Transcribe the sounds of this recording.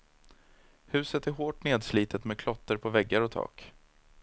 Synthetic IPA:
hʉ̟ːsət̪æɾɦoːʈneːd̪sliːt̪ət̪mɛd̪̚kʰlɔt̪ːəɾpʰɔvɛɡːaɾɔt̪ʰɑ̰ːk

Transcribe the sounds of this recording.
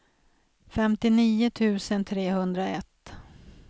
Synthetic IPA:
fɛmt̪ɪniːʊt̪ʰʉ̟ːsənt̪ʰɾeːhɵnd̪ɾaɛt̪ː

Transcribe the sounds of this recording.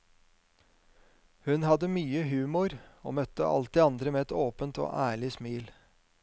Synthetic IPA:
hʉnhɑd̪əmyːəɦʉːmʊɾo̰ːmœt̪ːə̰ʔɑ̰lt̪̚d̪eːɑnd̪ɾəmeːɛt̪oːpənt̪o̰ːʔæːɭɪsmiːl

